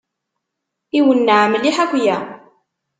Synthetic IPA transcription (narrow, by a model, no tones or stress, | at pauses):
iwənːəʕmliħækʷːjæ